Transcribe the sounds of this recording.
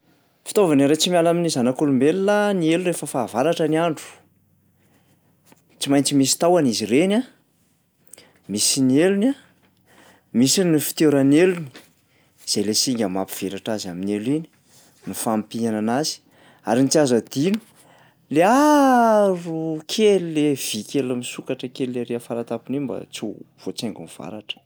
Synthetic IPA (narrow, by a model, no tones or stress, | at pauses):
fi̥t̪ovanaɾet͡simjalaminizanakulumbelulanielunɾefəfaːvaɾaʈ͡ʂəniaɳɖ͡ʐu̥ | t͡simajnt͡simisi̥t̪awanizirena | misinieluna | misinnifi̥t̪eɾəneluni̥ | z̥ejlesiŋɡʲamapi̥v̥eɾaʈ͡ʂazaminelini̥ | nufampiananazi̥ | aɾinit͡siazəd̪inu̥ | lea | rukʰelulev̥ikʲelamisukaʈ͡ʂəkelleɾeafaɾat̪apinimba̰t͡siv̥ot͡seŋɡunv̥a̰ɾaʈ͡ʂə̥